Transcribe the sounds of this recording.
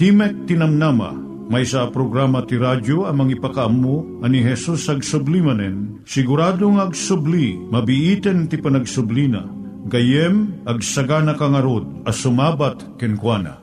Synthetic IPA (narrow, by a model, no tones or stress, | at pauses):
t̪imɛk̚t̪inɐmnama̰ | majsapɾoɡɾamɐt̪iɾadoɐmɐŋipakaʔɐmːo | ɐniɦɛsusɐɡsʊblimɐnɛn | sɪɡʊɾaːd̪oŋaɡsʊblimɐbiʔit̪ɛnt̪ipɐnɐɡsʊblina̰ | ɡɐjɛmʔɐɡ̚sɐɡanɐkaŋɐɾod̪̚ɐsʊmabat̪kɛnkwana̰